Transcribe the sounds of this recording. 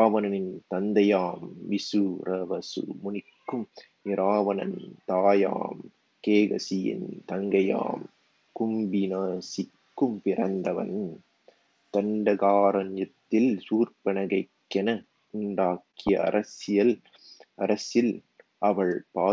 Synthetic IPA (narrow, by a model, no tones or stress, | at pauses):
ʋɐnɐnɪnt̪ɐnd̪ɐjaːmʋɪsɯɾɐʋɐsɯ̰mʊnɪkːɯm | ɪɾaːʋɐnɐ̰nt̪aːja̰ːm | keːɣɐ̰sɪjɪ̰nt̪ɐŋɡɐja̰ːm | kʊmbɪnaːsɪkːɯmpɪɾɐnd̪ɐʋɐ̰n | t̪ɐɳɖɐɣaːɾɐnjɐt̪ːɪlsuːrpɐnɐɣɐɪkːɛnɐ | ʊɳɖaːkːɪjɐɐ̰ɾʔɐsɪjɐl | ɐɾɐsɪl | ʔɐʋɐɭpaː